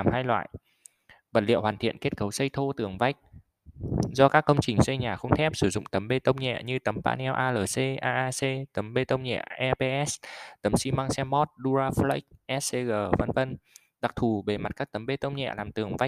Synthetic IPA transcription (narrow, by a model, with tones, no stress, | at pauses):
a˨˩mhaː˧jlwa̰ː˧˨jʔ | və̰˨˩t̚lḭ˧˨əwhaː˨˩nt̪ʰḭ˧˨ənke˦˥t̚kə˨˦wsə˧jt̪ʰo˧t̪ɨ˨˩əŋva˦˥jk̟̚ | zɔ˧kaː˦˥kːə˧wŋ͡mt͡ɕï˨˩ŋ̟sə˧jɲaː˨˩xə˧wŋ͡mt̪ʰɛ˦˥p̚sɨ˧˩zʊ̰˧˨ŋ͡mt̪ə˨˦mɓe˧t̪ə˧wŋ͡mɲɛ̰˧˨ɲɨ˧t̪ə˨˦mpa̰ː˧nɛ˧wʔaː˧ləː˨˩se˧ʔaː˧ʔaː˧se˧t̪ə˨˦mɓe˧t̪ə˧wŋ͡mɲɛ̰˧˨ʔɛ˧pe˧ʔɛ˦˥st̪ə˨˦msi˧˦ma˧ŋsɛ˧mːɔ˦˥t̚ɗu˧zaː˧fla̰˧˦˥jk̚ʔɛ˦˥se˧ɣəː˨˩və˧nvə˧n | ɗa˨˩k̚t̪ʰu˨˩ɓe˨˩ma˨˩t̚kaː˦˥k̚t̪ə˨˦mɓe˧t̪ə˧wŋ͡mɲɛ̰˧˨laː˨˩mt̪ɨ˨˩əŋva˦˥jk̚